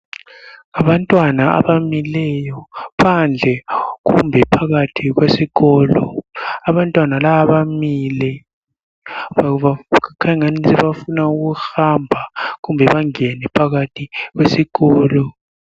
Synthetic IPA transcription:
ŋaɓantʼwanaa̰ɓamilɛjɔpʰand͡ɮʱɛk̬ṵmbʱɛpʰaɣ̬atʰik̬wesiɣɔːlɔaβantʼwanalaaβamilɛ | aakʰaŋanisɛβafunauk̬uxambʱak̬umbʱɛɓaŋɛnɛpʰaɣ̬atʰik̬wesiɣɔːlɔ

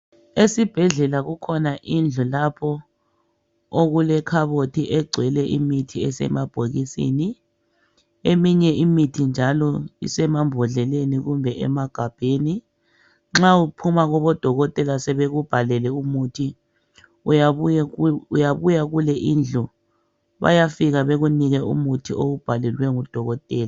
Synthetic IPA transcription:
esib̥ʱɛɮɛlaɣukʰɔnaʔind͡ɮʱulapʰɔ | oɣulɛkʰaβotʰiʔɛɡ͡ǀʱwɛlɛʔimitʰiɛsɛ̰mab̥ʱoɣisḭni | emiɲɛimitʰind͡ʒʱalɔḭsɛmambʱɔɮɛleniɣumbʱɛʔɛ̰maɡ̥ʱab̥ʱeni | ŋ͡ǁaupʰumaɣɔβɔd̥ʱɔɣɔtʼɛlasɛβeɣub̥ʱalɛlɛumutʰi | jaβujaɣulɛʔind͡ɮʱɔ | βa̰jafiɣaβeɣuniɣɛṵmutʰioɣub̥ʱalɛlwɛŋud̥ʱɔɣɔtʼɛːla

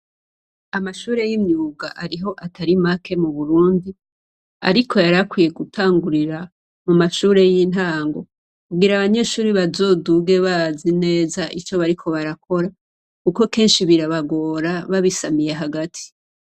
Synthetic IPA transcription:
amaʃuːɾe̞jimɲuːɡaʔaɾiɦo̞ʔatʰaɾimakʰe̞muβuɾuːndi | a̰ɾikʰo̞jaɾakwije̞ɡutʰaːŋɡuɾiɾa | mumaʃuːɾe̞jin̥ɦaːŋɡo̞ | kuɡiɾaβaɲe̞ʃuːɾiβazo̞duɡe̞βazine̞ːzaʔit͡ʃo̞βaɾikʰo̞βaɾakʰo̞ɾa | kuko̞ke̞ːnʃiβiɾaβaɡo̞ːɾaβaβisamije̞ɦaɡatʰi̥

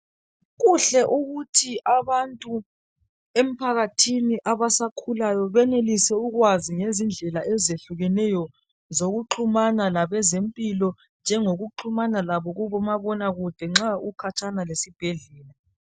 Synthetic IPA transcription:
ɣuɬɛʔuɣutʰiʔaβantʼu | em̩pʰaɣatʰiniʔaβasakʰulajɔβɛnelisɛuɣwaziŋezind͡ɮʱɛlaʔɛzeɬuɣɛnɛjɔ | zoɣuǃʰumanalaβɛzempʼilɔ | nd͡ʒʱɛŋoɣuǃʰumanalaβɔɣuβɔmaβɔnaɣud̥ʱɛŋ͡ǁaukʰat͡ʃʰʼanalesib̥ʱeɮɛːla

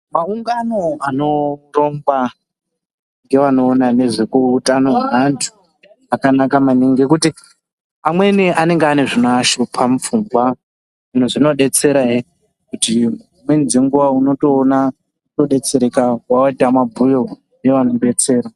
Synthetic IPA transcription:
mauŋɡano̞ano̞ro̞mba | ŋɡe̞ʋano̞ːnane̞ʐekutano̞ɦantʰu̥ | akanakamaniŋɡe̞kuti | amwe̞niʔane̞ŋɡeane̞ʐinoaʃopʰamufuŋɡwa | ʐin̤uʐino̞ɗe̞t͡se̞ɾae | kuti | mwenziŋɡuwauno̞toːna | uto̞ɗe̞t͡se̞ɾe̞kawaoitamabʱujo | jeʋanoɗe̞t͡se̞ːɾa

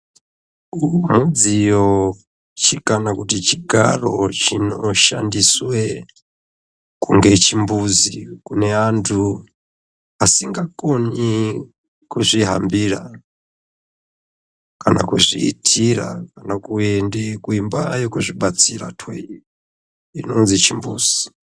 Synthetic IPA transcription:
umud͡zijo | t͡ʃʰikanakutit͡ʃiɡʱa̰rot͡ʃinoʃandiswe | kuŋɡet͡ʃimbuzikuneantʰu | asiŋɡakoni | kuzʷiɦa̰mbiːɾa | kana̰kuzʷḭḭtʰiɾa̰kanakuendekuimbajokuʐʷiɓat͡siɾa̰tʰwei | inonzit͡ʃimbuːz̥i̥

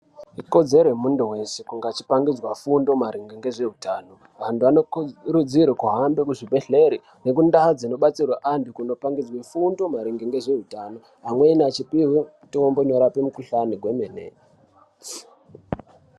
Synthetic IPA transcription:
iko̞d͡ze̞rwemunduwe̞sekuŋɡat͡ʃi̥paŋɡid͡zwafundo̞maɾiŋɡiŋɡe̞ʐe̞ɦutaːno | ʋantʰuʋanoɾud͡ziɾikuɦambekuʐibʱe̞ɬe̞ɾi | ne̞k̬undaad͡zino̞ɓat͡sirwaʔandukuno̞paŋɡid͡zwefundo̞maɾiŋɡiŋɡe̞ʐe̞ɦutano̞ | ɦamweinat͡ʃipiɦu | tiomboɲoɾapemukuɬaniɡʱwe̞menḛ

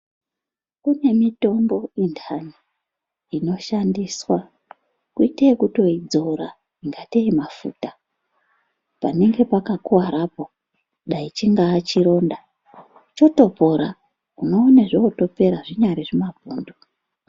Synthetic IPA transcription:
kune̞mito̞mbo̞indʰani | ino̞ʃandiːswa | kuiteekuto̞id͡zo̞ɾa | iŋɡateimafṵːta | pane̞ŋɡe̞pakakuwaɾapo̞ | ɗait͡ʃiŋɡaːt͡ʃiɾo̞ːnda | t͡ʃo̞to̞po̞ɾa | kuno̞ːneʐoːto̞pe̞ɾaʐiɲaɾiʐimabʱuːndu

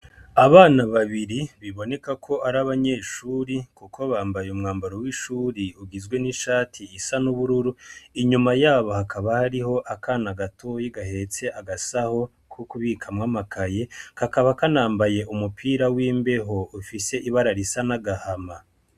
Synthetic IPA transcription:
aβaːnaβaβiɾiβiβo̞ne̞kakʰo̞ʔaɾaβaɲe̞ːʃuːɾikukʰo̞βaːmbajeumŋaːmbaɾowiːʃuːɾiuɡizɡwe̞niʃaːtʰiːsanuβuɾuɾuiɲumajaːβohakʰaβahaɾiho̞ʔakʰanaɡatʰojiɡahe̞t͡se̞ʔaɡasaho̞ | kʰukuβiːkʰamŋaːmakʰaje̞kakaβakanaːmbaje̞ʔumupʰiːɾawiːmbe̞ɦo̞ufise̞ʔiβaɾaɾisanaɡahama

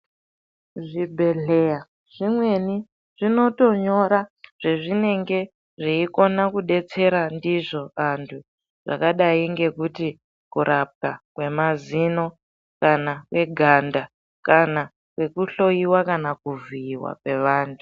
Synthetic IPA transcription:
ʐibʱe̞ɮeja | ʐ̥imwe̞ni | ʐ̥ino̞to̞ɲo̞ɾaʐ̥eʐine̞ŋɡe̞ | ʐiiko̞nakuɗe̞t͡se̞ɾandiʐoantʰu | ʐ̥a̰kaɗaiŋɡe̞kuti | kuɾʔap̚kakwe̞mazino̞ | kanakwe̞ɡʱanda | kana | kwe̞kuɬo̞jiwakanakuvuiwa̰kwe̞ʋaːntʰu

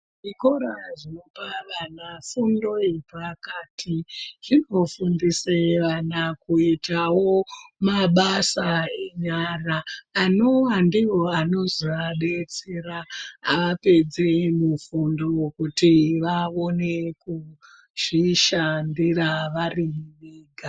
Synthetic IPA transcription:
ʐiko̞ɾaʐopaʋanafundo̞ipʋakaːtʰiʐino̞fundiseʋanakuitawo̞maɓasae̞ɲaraːnowandiwo̞ano̞ziaɗet͡seraːʋape̞d͡zemufundo̞kutiʋao̞ne̞ku | ʐ̥iʃandiraʋariniːɡʱa

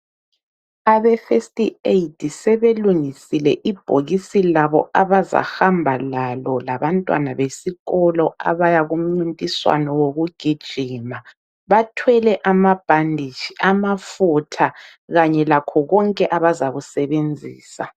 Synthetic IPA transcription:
aβɛfestʼieitʰʼisɛβeluŋisilɛʔib̥ʱoɣisilaβɔʔaβaza̰hambʱalalɔlaβantʼwa̰naβesiɣɔlɔa̰βajaɣum̩ŋ͡ǀintʼiswa̰nɔwoɣuɡ̥ʱid̥ʒ̥ʱiːma | βatʰwɛlɛʔamab̥ʱandʱit͡ʃiʔamafutʰa | ɣaɲɛlakʰɔɣɔŋkʼɛʔaβazaɣusɛβend͡zʱḭːsa

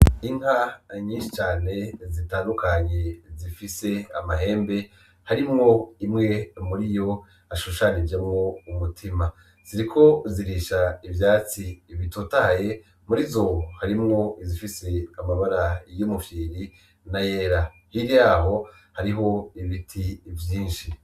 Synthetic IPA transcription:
iŋhaɲĩːnʃit͡ʃaːne̞zitaːndukʰaɲe̞zifise̞a̰maɦe̞ːmbe̞ | haɾimŋo̞imŋe̞muɾijo̞ | aʃuʃanid͡ʒe̞mŋo̞umutʰima | z̥iɾikʰo̞ziɾiʃaivjaːt͡siːβitotaje̞ | muɾizohaɾimŋo̞izifise̞amaβaɾajomufiːɾi | naje̞ːɾa | hiɾijaːɦo̞ | haɾiɦo̞iβitʰivjiːnʃi

